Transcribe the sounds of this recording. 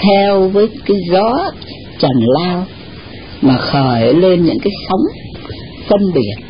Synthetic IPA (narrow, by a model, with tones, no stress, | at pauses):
t̪ʰɛ˧wvəː˨˦jkaː˨˦jzɔ˨˦ | t͡ɕə˨˩nlaː˧w | maː˨˩xəː˨˧˩jə˨˦le˧nɲɨ̰˧˥ŋkaː˨˦jsa˨˦wŋ͡m | sə˧nɓi˨˩ət̚